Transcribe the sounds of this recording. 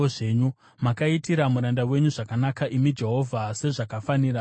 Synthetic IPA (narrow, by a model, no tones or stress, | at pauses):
oʐe̞ɲu | makaitiɾamuɾandawe̞ɲuʐakanakaʔimid͡ʒe̞ɦo̞vʱase̞ʐakafaniːra